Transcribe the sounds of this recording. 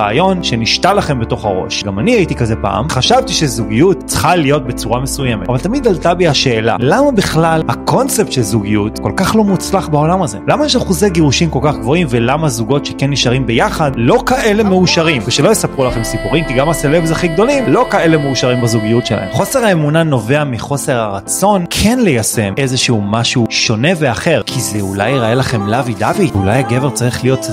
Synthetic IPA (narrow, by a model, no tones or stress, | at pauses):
aːjo̞nʃe̞niʃtalaχe̞mbe̞to̞χaʁo̞̰ʃɡamaniajitikazepa̰a̰mχaʃavtiʃezuɡijutt͡sχalijo̞t̚be̞t͡suʁamesuje̞metavaltamid̪altabiaʃeːla̰lamabiχlalhakʰo̞nt͡sep̚t̪ʃelzuɡijutko̞lkaχlo̞mut͡slaχbao̞lamaze̞̰lamajɛʃaχuzeɡeʁuʃimko̞lkaχɡvo̞imvelamazuɡo̞tʃekenːiʃaʁimbe̞jaχadlo̞kaʔe̞le̞meuʃaʁimveʃelo̞jesapʁulaχemsipuʁimkiɡamaselebzaχiɡd̪o̞limlo̞kae̞le̞meuʃaʁimbazuɡijutʃela̰ḛmχo̞se̞ʁhaemunano̞ve̞amiχo̞se̞ʁaʁat͡so̞nkʰe̞nlejase̞mʔe̞zeʃeumaʃuʃo̞ne̞veaχe̞ʁkʰizeula̰jʁaelaχe̞mlavid̪aviulajaɡe̞ve̞ʁt͡saʁiχlijo̞t